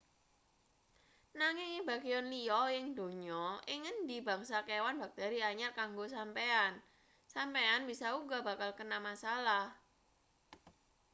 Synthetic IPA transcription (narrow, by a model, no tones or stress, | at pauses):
naŋɪŋib̥aɡeɔnliɔjɪŋd̪o̤ɲɔɪŋənd̪ib̥a̤ŋsakewanba̤k̚t̪eɾiaɲarkaŋɡosampean | sampeanb̥isauɡaba̤kalkənamasalah